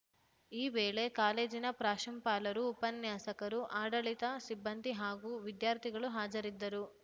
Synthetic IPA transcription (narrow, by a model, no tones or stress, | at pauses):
iːʋeːɭe̞kaːle̞ːd͡ʒinɐpɾaːʃɐmpaːlɐɾuːpɐnjaːsɐkɐɾuʔaːɖɐɭit̪ɐsibːɐnd̪iɦaːɡuːʋid̪jaːɾt̪ʰiɡɐɭuɦaːd͡ʒɐɾid̪ːɐɾu